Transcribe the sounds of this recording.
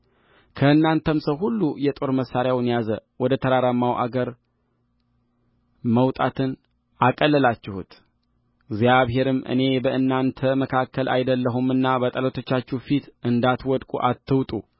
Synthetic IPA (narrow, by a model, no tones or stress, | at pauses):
kʰəɨnːant̪ʰəmsəwɦulːujɛt̪ʼo̞ɾməsaɾjawɨnjazəwɔd̪ət̪ʰəɾaɾamːawʔa̰ɡəɾ | məwt̪ʼat̪ʰɨn | akʼəlːəlat͡ʃːɪhṵt̪ | ɡzjaβɦe̞ɾɨmːʔɨ̰ne̞bəʔɨnːant̪ʰəməkʰakːəlʔa̰jd̪əlːəɦumɨnːabət̪ʼələt̪ʰo̞t͡ʃːat͡ʃːufit̪ʔɨnd̪at̪wɔd̪kʼṵʔat̪ʰːɨwt̪ʼu